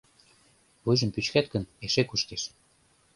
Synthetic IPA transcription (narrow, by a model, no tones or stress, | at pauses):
βujʒə̆mpyt͡ɕkæt̪kə̆neʃekuʃt̪eʃ